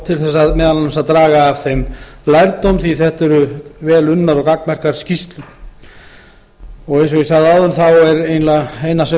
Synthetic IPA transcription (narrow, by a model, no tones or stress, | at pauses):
t̪ʰɪlθɛsːaðmɛːðalanːasaðt̪ɾaːɣaːv̥θejm | lajɾt̪owmθiθɛht̪ɛɾʏvɛːlʏnːaɾɔkaknmɛr̥kaɾ̥scist̪lʏ | ɔɣejns̬ɔɣisaðaːwðʏnθawɛɾeːjnlaejnasɛ